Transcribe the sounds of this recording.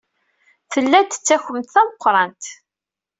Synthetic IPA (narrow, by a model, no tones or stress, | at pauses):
θəlːæt̪ːə̥t͡sːæçəmt̪θæməqʷːɾˤɑnt̪